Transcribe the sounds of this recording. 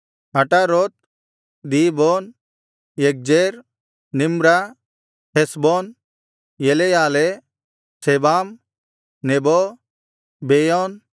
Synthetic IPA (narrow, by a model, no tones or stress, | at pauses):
ɐʈaɾot̪̚ | d̪ibɔn | jek̚d͡ʒeɾ | nimɾa | hesbɔn | jelejaːle | sebam | nebɔ | bejɔn